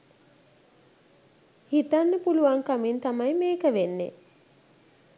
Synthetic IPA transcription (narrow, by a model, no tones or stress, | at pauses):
hit̪anːəpuluʋaŋkamint̪amajmeːkəʋenːḛ